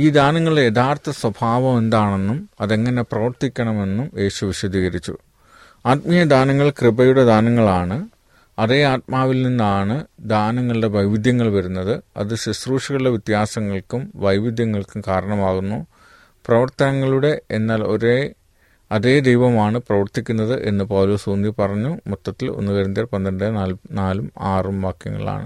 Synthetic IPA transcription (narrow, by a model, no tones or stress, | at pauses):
iːd̪aːnɐŋːɐɭɖejet̪ʰaːrt̪ʰɐswɐbʱaːʋɐme̞nd̪aːɳe̞nːumɐðe̞ŋːɐne̞prɐʋɐrt̪ikʲːɐɳɐme̞nːume̞ːɕuʋiɕɐd̪ʱiːɣɐɾit͡ɕːṵ | aːt̪̚mijɐd̪aːnɐŋːɐɭkrɨbɐjuɽe̞d̪aːnɐŋːɐɭaːɳɨ | ɐðeːaːt̪̚maːʋilninːaːɳɨd̪aːnɐŋːɐɭɨɖe̞ʋɐjʋid̪jɐŋːɐɭʋɐɾunːɐðɨɐ̰ðɨɕɐsruːʂɐɣɐɭɽeʋit̪jaːsɐŋːɐɭkumʋɐjʋid̪jɐŋːɐɭkukaːɾɐɳɐmaːɣunːu | prɐʋɐrt̪ɐnɐŋːɐɭuɽe̞enːaːlo̞ɾe | ɐðeːd̪ejʋɐmaːɳɨprɐʋɐrt̪ikʲːunːɐðɨʔe̞̰nːɨpɐwloːsuːnipɐrɐɲːumut̪ːɐt̪ːilo̞̰nːuɣɐɾund̪irpɐnd̪ɐɐɳɖɨnalnaːlumaːrumʋaːkjɐ̰ŋːɐ̰ɭa̰ːɳɨ̰